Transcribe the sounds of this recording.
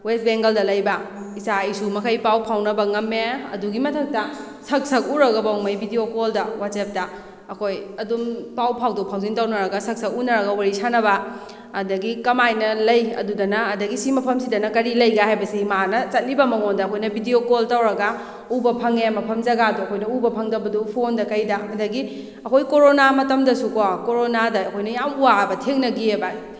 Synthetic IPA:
west̚beŋɡɐldɐlɐjbɐ | isaisumɐkʰɐjpawpʰawnɐbɐŋɐmːeɐ̰duɡimɐtʰɐk̚tɐ | sɐk̚sɐk̚uɾɐɡɐbawmɐjbʱidiokoldɐwat͡ʃep̚tɐː | kʰojɐdumpawpʰawdopʰawzintawnɐɾɐɡɐsɐk̚sɐk̚unɐɾɐɡɐwaɾisanɐbɐː | dɐɡikɐmajnɐlɐjɐ̰dudɐnɐɐdɐɡisimɐpʰɐmsidɐnɐkɐɾilɐjɡahajbɐsimanɐt͡ʃɐt̚libɐmɐŋondɐɐkʰojnɐbʱidiokoltɐwɾɐɡa | ubɐpʰɐŋemɐpʰɐmzɐɡaduɐkʰojnɐubɐpʰɐŋdɐbɐdupʰondɐkɐjdɐɐdɐɡi | ɐkʰojkoɾonamɐtɐmdɐsukokoɾonadɐːkʰojnɐjamuabɐtʰeŋnɐɡiebaj

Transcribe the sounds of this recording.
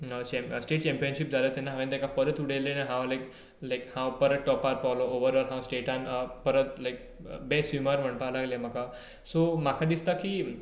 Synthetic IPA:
ət͡ɕɛ̃sʈeʈ̚t͡ɕɛ̃mpiənɕip̚d͡zʱalət̪ɛnːaɦaʋẽnt̪ekapəɾət̪uɽelenãɦãwlajk | laɪkhãwpəɾət̪̚ʈɔpaɾ̚paʋlooʋəɾɔːlɦãwsʈeʈãnəpəɾət̪laɪk̚ | besumaɾʋəɳpalaɡljam̤aka | somakʰad̪ist̪akiː

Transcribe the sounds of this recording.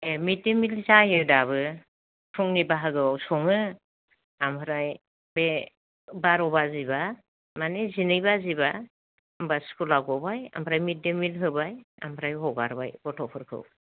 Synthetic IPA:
emit̚demilzajɯdaβɯ | sʰuŋnibaɦɯɡɯwawsɔŋɯ | amʰɯɾaj | be | baɾɔbaziba | manezinɯjbaziba | ambaskʰulaɡɔbaja̰mpʰɾajmit̚demilɦɯbaja̰mpʰɾajɦɔɡaɾba̰jbɔtʰɔpʰɯɾkʰɯ̰w

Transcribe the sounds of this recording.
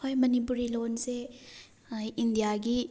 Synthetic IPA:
ɔjmɐnip̬uɾilonse | indijaɡi

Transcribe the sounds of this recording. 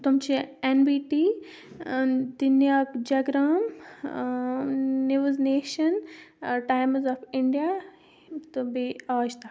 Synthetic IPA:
t̪umt͡ʃʰienbiːʈiː | d̪injaːkd͡ʒɐɡɾaːm | niʋuzneːʃɐnʈaːjmzɔfiɳɖija | t̪ubiaːʃt̪a

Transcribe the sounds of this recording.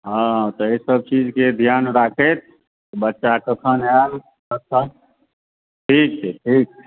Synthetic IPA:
ɦãt̪ɔesəb̚t͡ʃid͡ʒked̪ʱjanɾakʰet̪̚ | t̪ɔbətːʃakəkʰənɦen | kəsʰə | ʈʰiːk̚t͡ʃʰɛʈʰiːk̚t͡ʃʰɛ

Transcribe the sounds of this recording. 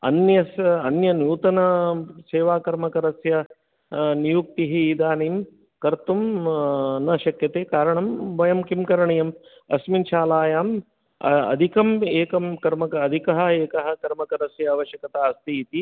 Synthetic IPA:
ɐ̰njɐsɐnjɐnjuːt̪ɐnɐseːʋaːkɐɾmɐkɐɾɐsjɐ | nijuk̚t̪iɦiːd̪aːniːm | kɐɾt̪um | nɐʃɐkjɐt̪eːkaːɾɐɳɐmʋɐjɐmkimkɐɾɐɳɐjɐm | ɐ̰sminʃaːlaːjaːm̰ | ɐ̰d̪ʱikɐmeːkɐmkɐɾmɐkɐɐd̪ʱikɐɦɐ̆eːkɐɦɐ̆kɐɾmɐkɐɾɐsjɐːʋɐʃjɐkɐt̪aːɐst̪iːt̪i

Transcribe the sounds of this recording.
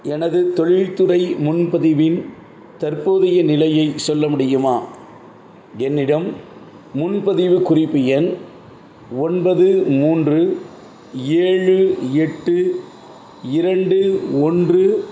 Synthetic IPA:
ɛnɐðɯt̪ɔɻɪɻt̪ɯrɐɪmʊnpɐðɪʋɪn | t̪ɐrpoːðɪjɐnɪlɐjɐɪsɔlːɐmʊɽɪjɯmaː | ɛnːɪɽɐm | mʊnpɐðɪʋɯkʊrɪpːɯjɛn | ɔnbɐðɯmuːndrɯ | eːɻɯɛʈːɯ | ɪɾɐɳɖɯɔndrɯ

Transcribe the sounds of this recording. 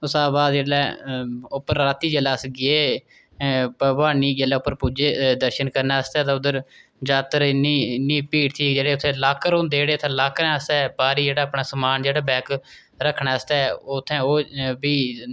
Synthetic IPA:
ʊsaːbaːd̪d͡ʒeːlɛːʊpːəɾːaːt̪iːd͡ʒəlaːsɡɪeː | pəbaːniːd͡ʒelɛːʊpːəɾpuːd͡ʒeːd̪əɾʃənkəɾnaːəst̪ɛːt̪ãːʊd̪əɾd͡ʒaːt̪əɾɪniːnːiːpiːʈt̪ʰiːd͡ʒeːɽeːʊt̪ʰːẽːlaːkːəɾõːnd̪eːɽeːt̪ʰãːlaːkɾɛ̃ːəst̪ɛːpaːɾiːd͡ʒeːɽaːəpɳaːsəmaːnd͡ʒeːɽaːbɛːk | ɾəkʰːɳaːəst̪ɛːot̪ʰːɛ̃ːoːbiː

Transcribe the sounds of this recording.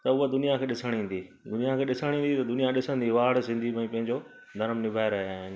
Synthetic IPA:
t̪ɐʊɦod̪ʊnijakʰeːɗɪsəɽ̃ĩːn̆d̪iː | d̪ʊnijakʰeːɗɪsəɽ̃ĩːnd̪it̪ɐd̪ʊnijaɗɪsə̃nd̪iʋaːɽsɪ̃nd̪ʱimẽpɐ̃ɦɪ̃ɲd͡ʑo | d̪ʱɐɾmnɪbʱaːeɾɐɦeaːɦɪn

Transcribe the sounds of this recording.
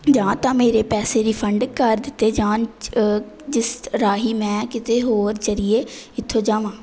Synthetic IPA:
d͡ʒãːt̪ãːmeːɾeːpɛːseːɾiːpʰəɳɖkəɾd̪ɪt̪ːeːd͡ʒãːn | d͡ʒɪsɾaːɦiːmɛ̃ːkɪt̪eːɦoːɾd͡ʒəɾɪjeːɪt̪ʰːoːd͡ʒãːʋãː

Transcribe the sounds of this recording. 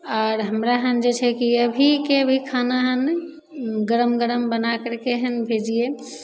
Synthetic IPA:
ɔːɾɦəmɾaɦənd͡ʒet͡ʃʰɛkiəbʱikeəbʱikʰanaɦən | ɡəɾəmɡəɾəmbənakəɾkeɦənbʱed͡ʒie

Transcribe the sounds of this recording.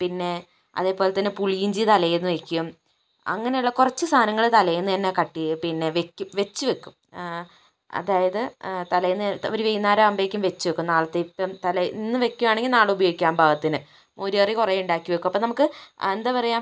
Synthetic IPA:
pinːe̞ | ɐ̰ðe̞ːpo̞ːlet̪ːɐnːɨpuɭiiɲd͡ʑit̪ɐlɐjenːɨʋe̞kʲːuum | ɐ̰ŋːɐne̞juɭːɐkurɐt͡ɕːɨst̪ʰaːnɐŋːɐɭt̪ɐlɐjenːɨɐnːekɐʈːijpinːe̞ʋekʲːuʋe̞t͡ɕːuʋekʲːum | ɐ̰ðaːjɐðɨt̪ɐlɐjenːoɾuʋejunːaːɾɐɐmbeːkʲːumʋe̞t͡ɕːuʋekʲːumnaːɭɐt̪ːeipːɐmt̪ɐlɐjinːɨʋe̞kʲːuʋaːɳeŋɡilnaːɭubɐjo̞ːɡikʲːaːmbʱaːɣɐt̪ːinɨ | ʔoɾiɐrikurejuɳɖaːkʲːuʋekːumɐpːoːnɐmukːɨend̪ɐpɐrɐjaːm

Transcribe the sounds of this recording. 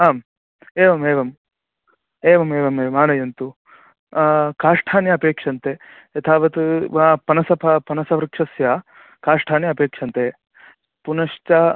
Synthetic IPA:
ɦaːm | eːʋɐmeːʋɐm | eːʋɐmeːʋɐmeːʋɐmaːnɐjɐnt̪u | kaːʂʈʰaːnjɐːpeːkʂɐnt̪e | jɐt̪ʰaːʋɐt̪upɐnɐsɐpʰɐpɐnɐsɐʋɾɐkʂɐsja | kaːʂʈʰaːnjɐpeːkʂɐnt̪eː | punɐʂt͡ʃɐ

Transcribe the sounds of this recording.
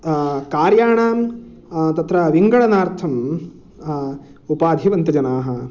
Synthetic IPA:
kaːɾjaːɳaːm | t̪ɐt̪ɾɐʋiŋɡɐɭɐnaːɾt̪ʰɐm | upaːd̪ʱiʋɐnt̪ɐd͡ʒɐnaːɦɐ

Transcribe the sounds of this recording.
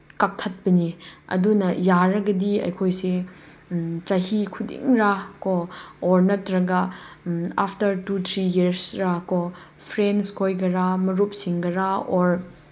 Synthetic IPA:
kak̚tʰɐt̚pɐniɐ̰dunɐjaɾɐɡɐdiɐ̰jkʰojse | t͡ʃɐhikʰudḭŋɾakooɾnɐtɾɐɡɐ | a̰pʰtɐɾtut̪ʰɾijeɾsɾako | pʰɾenskʰojɡɐɾamɐɾup̚siŋɡɐɾaoɾ

